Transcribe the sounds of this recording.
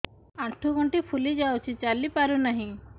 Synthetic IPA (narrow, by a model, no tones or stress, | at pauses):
aʈʰuɡɔɳʈipʰulid͡ʒawt͡ʃʰit͡ʃalipaɾunaɦĩ